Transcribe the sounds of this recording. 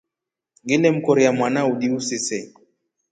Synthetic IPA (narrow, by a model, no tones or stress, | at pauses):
ŋɡilɛm̩kɔɾiamwanauɗiusisɛ